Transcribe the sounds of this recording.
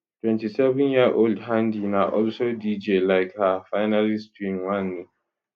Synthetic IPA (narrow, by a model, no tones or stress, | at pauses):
twɛ̃ntisɛvɔ̃njiʔoldɦãndinaʔɔlʃɔldid͡ʒelaɪkhafaɪnalistwimwãnːi